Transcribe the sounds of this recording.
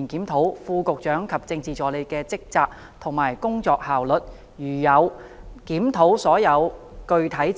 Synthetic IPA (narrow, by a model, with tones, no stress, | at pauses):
nkiː˨˥mt̪ʰo˨˥wfuː˧kʊ˨k̚t͡ʃœː˨˥ŋkʰɐ˨p̚t͡sɪ˧ŋt͡siː˨t͡sɔː˨˥le˨˧jkɛː˧t͡sɪ˥k̚t͡saː˧k̚ | t̪ʰʊ˨˩ŋmaː˨˩jkʊ˥ŋt͡sɔː˧k̚haː˨wlɵ˨t̚ | jyː˨˩jɐ˨˧wkiː˨˥mt̪ʰo˨˥wsɔː˨˥jɐ˨˧wkɵ˧ɥt̪ʰɐ˨˥j